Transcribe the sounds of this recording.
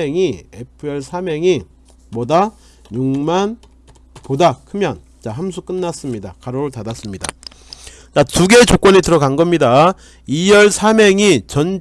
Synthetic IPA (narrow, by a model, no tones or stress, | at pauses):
eŋie̞pʰɯe̞ɭsʰameŋi | mwʌda | juŋman | podakʰɯmjʌn | t͡ɕaɦamsʰuk͈ɯnːas͈ɯmɲida̰kaɾoɾɯɭtadas͈ɯmɲida̰ | t͡ɕatuɡe̞t͡ɕok͈ʌɲitɯɾʌɡanɡʌmɲida | ijʌɭsʰameŋit͡ɕʌn